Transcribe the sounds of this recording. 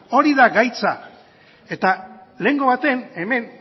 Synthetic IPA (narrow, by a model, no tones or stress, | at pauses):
o̞ɾiðaɡajt͡sa | e̞t̪ale̞ŋɡo̞βat̪e̞ne̞me̞n